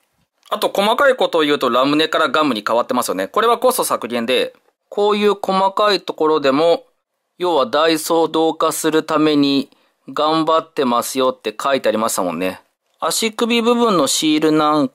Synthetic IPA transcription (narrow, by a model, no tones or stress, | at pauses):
at̪o̞ko̞makaiko̞t̪oːjɯ̟ːt̪o̞ɾamɯ̟ne̞kaɾaɡamɯ̟ɲ̟ikaβat̪ːemasɨjo̞ne̞ko̞ɾe̞βako̞st̪o̞sakɯ̟ɾʲẽnd̪e̞ | kʰo̞ːjɯ̟ːko̞makait̪o̞ko̞ɾo̞d̪e̞mo̞ | jo̞ːβad̪aiso̞ːd̪o̞ːkasɨɾɯ̟t̪ame̞ɲ̟i | ɡãmbat̪ːe̞masɨjo̞t̪ːe̞kʰait̪e̞aɾʲimaɕi̥t̪amõ̞̰nːe̞ | aɕikɯ̟bʲibɯ̟bɯ̟̃nːo̞ɕiːɾɯ̟nãŋ